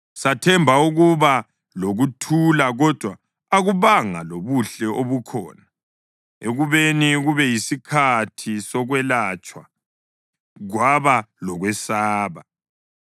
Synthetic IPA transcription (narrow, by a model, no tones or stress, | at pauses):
satʰɛmbʱauɣuβa | loɣutʰulaɣɔd̥ʱwaː | ɣuβaŋaloβuɬɛʔoβukʰɔ̰ːna | eɣuβeniɣuβɛjisikʰatʰisɔɣwɛlat͡ʃʼwa̰ | ɣwaβalɔɣwɛsaːβa